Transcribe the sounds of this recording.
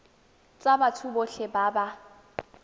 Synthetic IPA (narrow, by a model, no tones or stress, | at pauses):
t͡sʼabatʰuboɬɛbaːba